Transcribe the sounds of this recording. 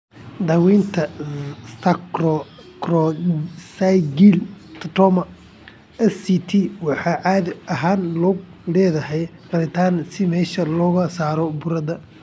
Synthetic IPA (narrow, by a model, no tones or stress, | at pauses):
d̪ɐwɛjnt̪ʰɐst̪ʰɐkrɔkrɔsajɡilt̪ʰɐt̪ɔmɐ | ɛsit̪ʰiwɑħɑːʕaːd̪ʔɐɦaːnlɔɡlɛːðɐɦɛjqɑlɪt̪ʰaːnsɪmɛːʃɐlɔːɣɐsaːɾɔbʊɾɐd̪ɐ